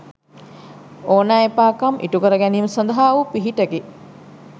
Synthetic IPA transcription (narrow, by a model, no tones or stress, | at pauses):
oːnaepaːkamʔḭʈukəɾəɡæniːməsɐnd̪əɦaːʋupiɦiʈəɡe